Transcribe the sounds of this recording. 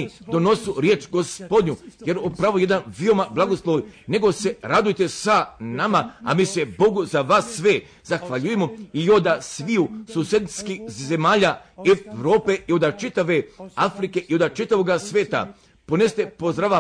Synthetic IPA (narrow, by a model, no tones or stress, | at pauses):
id̪o̞no̞suɾje̞ːt͡ʃɡo̞spo̞d̪ɲuje̞ɾupɾaʋoje̞d̪anʋio̞mablˠaɡoslˠoʋne̞ɡo̞se̞ɾad̪ujet̪esanamaa̰miːse̞bo̞ɡuzaʋaːsːʋe | zaxʋaʎujemoijod̪asʋiusuːsed̪iskize̞maːʎaeʋɾoːpe̞io̞d̪at͡ʃit̪aʋe̞afɾike̞ʔio̞d̪at͡ʃit̪aʋoːɡasʋʲeːt̪a̰ | po̞nest̪e̞pozd̪ɾaʋa